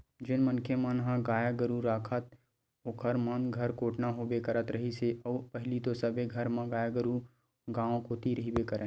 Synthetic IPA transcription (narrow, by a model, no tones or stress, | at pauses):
d͡ʒɪnmənkʰemãnɦãɡaːjaɡəɾuɾaːkʰət̪ | ʊkʰəɾmɐnɡʱɐɾkoːʈnaɦobekɐɾət̪ɾɐɦiseɐpɐɦlit̪osɐbeɡʱɐɾmãɡaːjaɡəɾu | ɡaːõkoːt̪iɾɐɦibekɐɾẽ